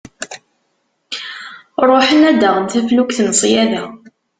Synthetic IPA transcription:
ɾˤoħənæd̪əʁənt̪æflukθnsˤjæðæ

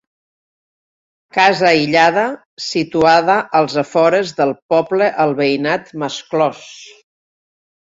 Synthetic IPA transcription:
kazəiʎað̞ə | sit̪uaðəʔəlˠzəfɔɾəzðəlˠpɔbləʔəlˠβəinat̪məsklɔs

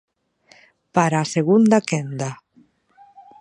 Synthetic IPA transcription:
paɾaːseɣund̪akend̪a

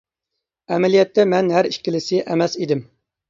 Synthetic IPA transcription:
ɛmɛlijɛt̪ʰːɛmɛnɦæɾiʃkʲɪlɪsɪʔɛmɛsid̪ɪm

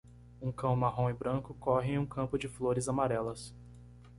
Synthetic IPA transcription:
ũkɐ̃w̃maɦõw̃ẽbɾɐ̃kʊkɔɦɪẽũkɐ̃mpʊd͡ʒɪfloɾɪzamaɾɛlɐs

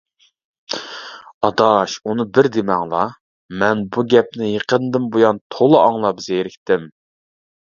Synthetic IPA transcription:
ɑd̪ɑʃunɨbɪɾd̪ɪmɑŋlˠɑ | mɛnbuɡʲɛp̚nɪjəqʰənd̪ɨmbojɑnt̪ʰolˠɨʔɑŋlˠɑbzjeɾɪkʲt̪ɪm

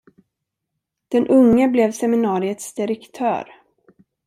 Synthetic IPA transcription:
d̪̥ɛnʔɵŋːəblɛvsɛmɪnɑːɾɪət̪sd̪ɪɾɛkt̪ʰœ̰ːɾ

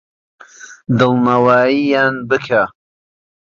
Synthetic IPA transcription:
d̪ɨlˠnawaːjijaːnbɨkʰa

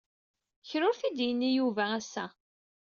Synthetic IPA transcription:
çɾʊɾθid̪jənːijuvææsːæ

